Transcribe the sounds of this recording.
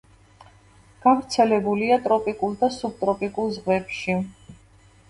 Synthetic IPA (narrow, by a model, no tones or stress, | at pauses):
ɡ̥avɾt̪sʰɛlɛbuliat̪ʼɾɔpʼikʼulˠd̪asub̚t̪ʼɾɔpʼikʼulˠzʁvɛpʃi